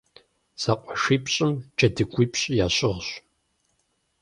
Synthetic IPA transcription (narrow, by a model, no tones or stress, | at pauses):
z̥aqʷʼɔʂiːpɕʼɪmd͡ʒʰɐdɨɡʷiːpɕʼjaːɕʼɪʁɕ